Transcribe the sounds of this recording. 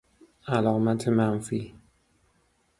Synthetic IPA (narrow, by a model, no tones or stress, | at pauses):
alɔk̚matʰemam̩fi